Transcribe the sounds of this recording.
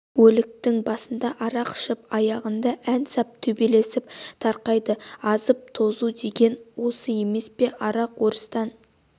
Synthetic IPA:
wɵlɪk̚t̪ɪŋbɑsənd̪ɑʔɑɾɑqə̥ʃəp̚ɑjɑʁənd̪ɑʔænsɑp̚t̪ʰɵbele̞sɪp̚t̪ʰɑɾqɑjd̪əɑzəp̚t̪ʰo̞zud̪e̞ɡʲe̞nwo̞səje̞me̞spe̞ʔɑɾɑqwo̞ɾəst̪ɑn

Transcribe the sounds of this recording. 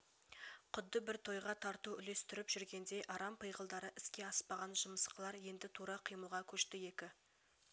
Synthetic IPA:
qʰʊd̪ːəbɪɾt̪ʰo̞jʁɑt̪ʰɑɾt̪uʏle̞st̪ɪɾɪpʒʏɾɡʲe̞nd̪e̞jʔɑɾɑmpʰəjʁəlˠd̪ɑɾəʔɪskʲe̞ɑspɑʁɑnʒʊməsqəlˠɑɾje̞nd̪ɪt̪ʰuɾɑqʰəjməulˠʁɑkʲʰɵʃt̪ɪje̞kʲɪ

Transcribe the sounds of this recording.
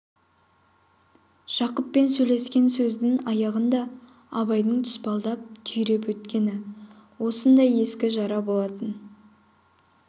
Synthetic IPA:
ʒ̥ɑqəpːe̞nsɵjle̞skʲe̞nsɵzd̪ɪŋɑjɑʁənd̪ɑ | ɑβɑjd̪əɴt̪ʰʏ̥spɑlˠd̪ɑp̚t̪ʰʏjɾepwɵt̪kʲe̞nɪ | wo̞sənd̪ɑje̞skʲɪʒɑɾɑbolˠɑt̪ən

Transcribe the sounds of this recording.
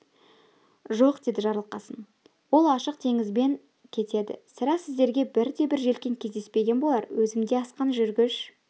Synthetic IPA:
ʒo̞qd̪̥e̞jd̪ɪʒɑɾlˠqɑsən | wo̞lˠɑʃəqt̪ʰe̞ŋɪzbe̞ŋ | kʲʰe̞t̪e̞d̪ɪ̰sɪɾæsɪzd̪e̞ɾɡʲe̞bɪɾd̪e̞bɪɾʒe̞lkʲe̞ŋkʲʰe̞zd̪e̞spe̞ɡʲe̞nbo̞lˠɑɾwɵzɪmd̪e̞ɑsqɑnʒʏɾɡʲɪʃ

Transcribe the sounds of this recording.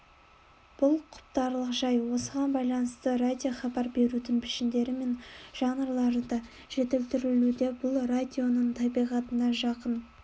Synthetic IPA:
b̥ʊlˠqʰʊ̥pt̪ɑɾlˠəqʒɑjwo̞səʁɑnbɑjlˠɑnəst̪ərad̪ʲijo̞χɑbɑɾbe̞ɾud̪ɪŋpʰɪʃɪnd̪e̞ɾɪme̞nʒ̥ɑɴəɾlˠɑɾd̪ɑ | ʒ̥e̞t̪ɪlt̪ɪɾɪlud̪e̞bʊlˠrad̪ʲio̞nəɴt̪ʰɑbijʁɑt̪ənɑʒɑqən

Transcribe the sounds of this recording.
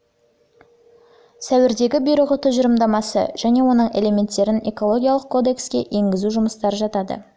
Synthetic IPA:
sæwɪɾd̪e̞ɡʲɪbijɾəʁət̪ʰʊzʒəɾəmd̪ɑmɑsə̰ʒ̥æne̞wo̞nəɴe̞̰le̞me̞nt̪ːe̞ɾɪne̞ko̞lˠo̞ɡʲijalˠəq̚kʰo̞d̪e̞kskʲe̞ʔe̞ŋɡʲɪzuʒʊməst̪ɑɾəʒɑt̪ɑd̪ə̰

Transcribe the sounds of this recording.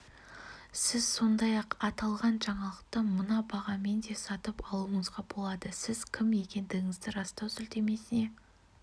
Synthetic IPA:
sɪz̥so̞nd̪ɑjɑqɑt̪ɑlˠʁɑnʒɑɴɑlˠəq̚t̪əmənɑbɑʁɑme̞nd̪e̞sɑt̪əpɑlˠuəɴəzʁɑbo̞lˠɑd̪əsɪz̥kʲʰɪmje̞kʲe̞nd̪ɪɡʲɪŋɪzd̪ɪɾɑst̪ɑwsʏlt̪e̞me̞sɪne̞

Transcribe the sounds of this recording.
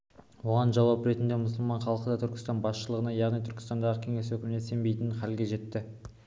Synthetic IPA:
wo̞ʁɑnʒɑwɑpɾe̞t̪ɪnd̪e̞mʊs̬əlˠmɑɴχɑlˠəqəd̪ɑt̪ʰʏɾkʲɪ̥st̪ɑnbɑsʃəlˠəʁənɑjɑʁnijt̪ʰʏɾkʲɪ̥st̪ɑnd̪ɑʁəkʲʰeŋe̞swɵkʲɪmɪnee̞mbejt̪ɪnχælɡʲe̞ʒe̞t̪ːɪ

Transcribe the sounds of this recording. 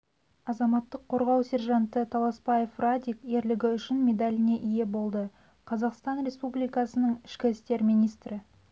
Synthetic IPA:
ɑzɑmɑt̪ːəqʰːo̞ɾʁɑwsʲe̞ɾʒɑnt̪ət̪ʰɑlˠɑspɑjefrad̪ʲikje̞ɾlɪɡʲɪʏʃɪnmʲe̞d̪alʲɪne̞ʔije̞bo̞lˠd̪ə | qʰɑzɑqst̪ɑnɾe̞spublijkɑsənəɴɪʃkʲɪɪst̪e̞ɾminijst̪ɾɪ

